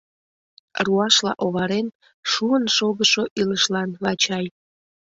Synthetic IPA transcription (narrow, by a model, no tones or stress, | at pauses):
ruɑʃlɑ̰ʔoβɑɾen | ʃuənʃoɣəʃoʔiləʃlɑnlɑt͡ɕɑj